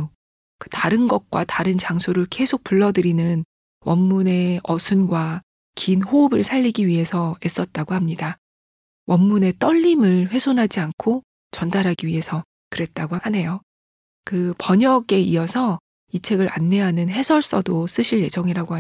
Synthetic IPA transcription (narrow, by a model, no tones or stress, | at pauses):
kɯtaɾɯnɡʌk̚k͈wataɾɯnt͡ɕaŋsʰoɾɯɭke̞sʰok̚p͈uɭːʌdɯɾinɯn | wʌnːune̞ʌsʰunɡwa | kinhoːbɯɭsʰaʎːiɡiɥiɦe̞sʰʌe̞s͈ʌt̚t͈aɡohamɲida | wʔʌnːune̞t͈ʌʎːimɯɭɸwe̞sʰonɦad͡ʑiankʰo | t͡ɕʌndaɾɦaɡiɥiɦe̞sʰʌ | kɯɾe̞t̚t͈aɡoane̞jo | kɯpʌɲʌɡe̞iʌsʰʌ | it͡ɕʰe̞ɡɯɾa̰nːe̞ɦanɯnɦe̞sʰʌɭs͈ʌdos͈ɯɕʰiʎje̞d͡ʑʌŋiɾaɡoa